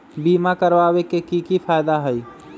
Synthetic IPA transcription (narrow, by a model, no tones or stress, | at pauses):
bimakəɾbabekekikipʰajd̪aɦəj